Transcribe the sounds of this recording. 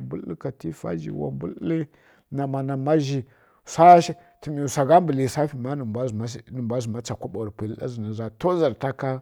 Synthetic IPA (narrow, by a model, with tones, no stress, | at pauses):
bu˦lka˨ti˦fa̰˦d͡ʒḭ˨wa̰˨bṵ˦lli˦ | na˨ma˨na˨ma˦ʒi˨ | sa˦ʃi˦ | ti˨mi˨sa˨ɡa˦mbə˨li˨sa˦fi˨ma˦nə˨mbʷa˦za˦nə˨mbʷa˦zi˨ma˦t͡sa˨kʷu˦ɓa˨ɾpi˨li˦ɗa̰˦zi˨na˨za˨to˦za˨ɾta˦ka˦